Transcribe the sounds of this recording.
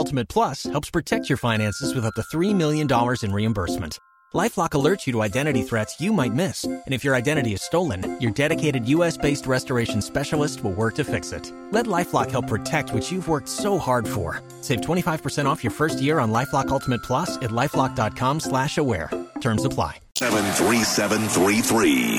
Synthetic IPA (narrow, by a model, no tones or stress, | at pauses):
lˠtəmɨt̚pʰl̥ʌshɛlˠpspʰɹ̥ɨtʰɛk̚t͡ʃʰjə˞fãɪ̃ñæ̃nsɨzwɨðʌp̚ðɨθɹimɪlˠjɨ̃ndɑlˠə˞zɨ̃nɹiɨ̃mbɜ˞smɨ̰̃n̩t | laɪflɑkəlɜ˞t͡ʃjɨɾəaɪdɛ̃ɾ̃ɨɾiθɹɛtsjɨmaɪt̚mɪsɨ̃ñɨfjə˞aɪdɛ̃ɾ̃ɨɾiɨz̥stoʊlˠə̰̃njə˞dɛɾɨkʰeɪɾɨdjʉɛsb̥eɪst̚ɹɛstə˞eɪʃn̩spɛʃl̩ˠəst̚wəlˠwɜ˞k̚tʰɨfɪksɪ̰t̚ | lɛtˡlaɪflɑkhɛlˠpʰɹ̥ɨtʰɛk̚t̚ʰwʌt͡ʃjɨvwɜ˞k̚tsoʊhɑɹd̥fə̰˞ | seɪvtʰwɛ̃ɾ̃ifaɪv̥pʰə˞sɛ̃ɾ̃ɔfjə˞fɜ˞st̚jɪɹə̃nlaɪflɑkʌlˠtʰəmɨt̚pʰl̥ʌsɨtˡlaɪflɑk̚d̥ɑt̚kʰɑ̃mslæʃəwɛ̰ɹtʰɜ̃˞mzəpʰl̥a̰ɪ | ɛvə̃nθɹisɛvɨ̃nθɹiθɹḭ